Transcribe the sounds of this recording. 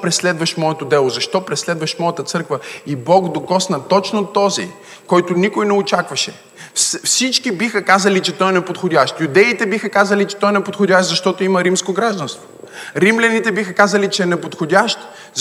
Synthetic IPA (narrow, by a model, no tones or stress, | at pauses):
pɾɛslɛd̪vɐʃmɔɛt̪od̪ɛlˠozɐʃt̪ɔpɾɛslɛd̪vɐʃmɔjɐt̪ət̪sɤɾkvəibɔɡd̪okɔsnɐt̪ɔt͡ʃnot̪ːɔzḭ | kɔjt̪ʊnikʊjnɛot͡ʃakvɐʃɛ | fsfsit͡ʃkibixəkazɐlit͡ʃɛt̪ɔjɛnɛpot̪xodʲaʃt̪jud̪ɛit̪ɛbixəkazɐlit͡ʃɛ̥t̪ɔjɛnɛpot̪xodʲaʃt̪zɐʃt̪ɔt̪oimɐɾimskoɡɾaʒd̪ɐ̃nst̪vo | ɾimlʲɐnit̪ɛbixəkazɐlit͡ʃɛːnɛpot̪xodʲaʃt̪